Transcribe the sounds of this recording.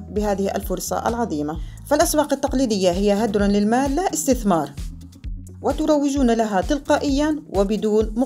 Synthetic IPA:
bɪhaːðɪhʔa̰lfʊɾˤsˤɑ̰ʔa̰lʕɑðˤiːmafalʔaswɑːqat̪ːɑqliːd̪ɪjːaɦɪjːaɦad̪ɾˤalɪlmaːlːaʔɪst̪ɪθmɑːɾˤ | wɪt̪ʊɾˤɑwːɪd͡ʒuːnalaɦat̪ɪlqɑːʔɪjːawʔɪbɪd̪uːnmʊ

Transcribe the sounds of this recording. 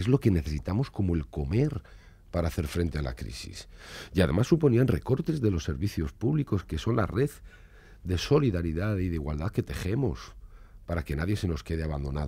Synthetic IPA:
ezlo̞ke̞ne̞θe̞sit̪amo̞sko̞moe̞lko̞me̞ɾ | paɾaːθe̞ɾfɾe̞nt̪e̞ala̰kɾḭsḭsjaðe̞masːupo̞nianre̞̰ko̞ɾt̪e̞zðe̞lo̞sːe̞ɾβiθjo̞spuβliko̞ske̞so̞nla̰re̞ð | d̪e̞so̞liðaɾiðaðiðeiɣwald̪aðke̞t̪e̞xe̞mo̞̰s | paɾake̞naðje̞se̞no̞ske̞ð̞eaβand̪o̞nað

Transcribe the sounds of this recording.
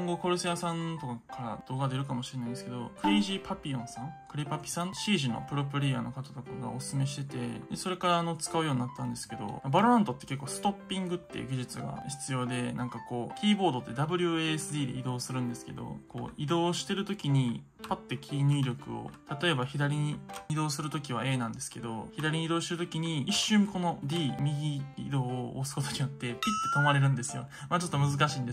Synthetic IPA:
õŋɡo̞ko̞ɾɯ̟sɨjasãnt̪o̞kakaɾa̰d̪̥o̞ːɡad̪e̞ɾɯ̟kamo̞ɕiɾenaĩnsɨ̥ked̪o̞̰kɯ̟ɾʲiʑipapʲiõ̞sãŋkɯ̟ɾʲepapʲi̥sãnɕiːʑino̞̰pɯ̟ɾo̞p̬ɯ̟ɾʲia̰ːno̞kat̪at̪o̞kaɡa̰osɨ̥sɨme̞ɕi̥t̪e̞t̪e̞̰d̪eso̞ɾe̞kaɾaːno̞t͡sɨ̥kaɯ̟jo̞ːɲ̟inat̪ːãnd̪e̞sɨ̥ke̞d̪o̞̰mabaɾɾãnt̪o̞t̪ːe̞̥ke̞kːo̞ːsɨ̥t̪o̞pʲːĩŋɡɯ̟t̪ːe̞̰jɯ̰ɡʲiʑit͡sɨɡa̰çi̥t͡sɨjo̞ːd̪e̞nãŋkako̞ːkʲiːbo̞ːd̪ot̪ːed̪abɯ̟ɾʲɯesɨd̪ʲiːd̪e̞̰id̪o̞ːsɨɾɯ̟̃nd̪e̞sɨ̥ke̞̰d̪o̞̰ko̞̰ːid̪o̞ːɕi̥t̪e̞ɾɯ̟t̪o̞kʲiɲ̟i | pat̪ːe̞kʲʰiːɲ̟ɨːɾʲo̞kɯ̟̰o̰t̪at̪o̞e̞baçid̪aɾʲiɲ̟iːd̪o̞ːsɨɾɯ̟t̪o̞k̬ʲiβae̞ːnãnd̪e̞sɨ̥ke̞d̪o̞çid̪aɾʲiɲid̪oːɕit̪eɾɯt̪o̞kʲiɲ̟iiɕːɨ̃ŋko̞no̞dʲiːmʲiɡʲiḭd̪o̞ːsɨ̥ko̞t̪o̞ɲ̟ijo̞t̪ːe̞pʲit̪ːe̞k̪omaɾe̞ɾɯ̟̃nd̪e̞sɨjo̞̰maːt͡ɕo̞t̪ːo̞mɯ̟zɨkaɕiːnd̪e

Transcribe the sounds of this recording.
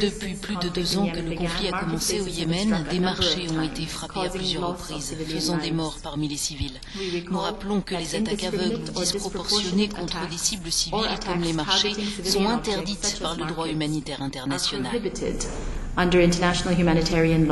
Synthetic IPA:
d̪əpɥiplyd̪əd̪øzɑ̃kələkɔ̃fliakɔmɑ̃seojemɛnd̪emaʁʃeɔ̃et̪efχapeaplyzjœʁʁəpχizfəzɑ̃d̪emɔʁpaʁmilesivil | nuʁaplɔ̃kəlezat̪akavœɡld̪ispχɔppɔʁsjɔnekɔ̃t̪χəd̪esibləsivilkɔmlemaʃesɔ̃ɛ̃t̪ɛʁd̪it̪paʁləd̪ʁwaymanit̪ɛʁɛ̃t̪ɛʁnasjɔlnaɪ̰dʌ̃ndə˞ɪ̃ntənæʃn̩l̩ˠhjʉmænɪtʰɛɹiə̃nl

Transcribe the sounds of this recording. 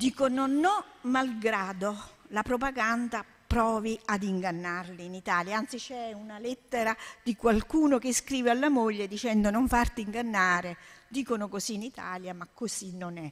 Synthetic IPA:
d̪iːkononːɔmalɡɾaːd̪olapɾopaɡand̪a | pɾɔːviad̪iŋɡanːarliːnit̪aːljaant̪sit͡ʃɛunalɛt̪ːeɾad̪ikwalkuːnokeskɾiːvealːamoʎːed̪it͡ʃɛnd̪onoɱfart̪iiŋɡanːaːɾed̪iːkonokoziːnit̪a̰ːljamakːosinːonɛ

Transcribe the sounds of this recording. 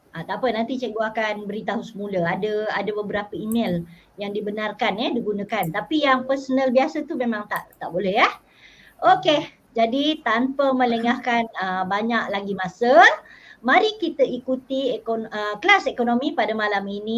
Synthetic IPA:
ʔat̪apənant̪it͡ʃɛʔɡuakanbəɾit̪aɦusəmuləadəadəbəbəɾapəimel | jaŋdibənarkanəhdiɡunəkant̪apijaŋpərsonəlbiasət̪umemãŋt̪aʔt̪aʔbolɛɦjah | ʔoke | d͡ʒadit̪ampəmə̃ləŋahkanəbaɲaʔlaɡimasəmaɾikit̪əikut̪iekoəkəlasekonomipadəmalamini

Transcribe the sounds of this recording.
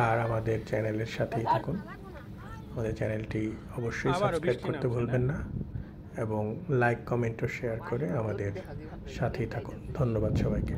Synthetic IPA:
aɾamad̪eɾt͡ɕɛneleɾʃat̪ʰejt̪ʰakun | amad̪eɾt͡ɕɛnelʈi | ɔboʃːojsaskɾep̚koɾt̪ebʱolbenːa | eboŋlajkkɔmeɳʈoʃeaɾkoɾeamad̪eɾ | ʃat̪ʰit̪ʰakund̪ʱonːobad̪ʃɔbajke

